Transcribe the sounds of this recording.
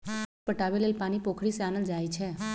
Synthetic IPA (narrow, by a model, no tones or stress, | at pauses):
pəʈaʋelelpañipokʰɽisanəld͡ʒajt͡ʃʰe